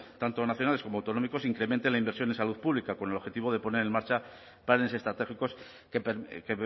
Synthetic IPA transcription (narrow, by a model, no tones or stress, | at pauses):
t̪ant̪onaθjonaleko̞moawt̪o̞no̞miko̞siŋkɾe̞ment̪e̞nlaimbe̞ɾsjo̞nensaluðpuβlikako̞nelo̞xe̞t̪iβ̞o̞ð̞e̞po̞ne̞ɾe̞nmaɾt͡ʃa | plane̞se̞st̪ɾat̪e̞xiko̞s | keke